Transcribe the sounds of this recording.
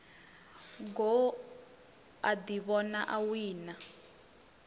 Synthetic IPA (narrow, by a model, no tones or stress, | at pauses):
ŋɡɔ | ad̪iβɔnaʔawiːna